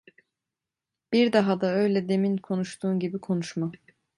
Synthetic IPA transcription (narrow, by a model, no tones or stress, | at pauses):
b̥iɾd̪aɦad̪aø̞jlʲɛd̪e̞minkʰo̞nuʃt̪ʰuːnɟibikʰo̞nuʃma